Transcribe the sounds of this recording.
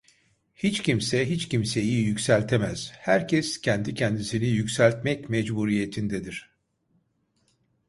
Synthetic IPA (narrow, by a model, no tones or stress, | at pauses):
hit͡ʃcimsɛɦit͡ʃcimseijjycsælʲt̪ʰemæz̥hæɾcʰɛscʰɛnd̪icʰɛnd̪isinijycsælʲt̪mɛcmɛd͡ʒbuɾije̞t̪ʰind̪ɛd̪iɾ̥